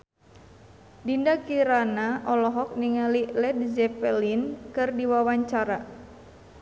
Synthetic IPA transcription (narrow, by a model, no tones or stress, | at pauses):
dindakiɾanaʔɔlɔɦɔk̚niŋalilɛd̚zɛpɛlinkɨrdiwawaɲt͡ʃaɾa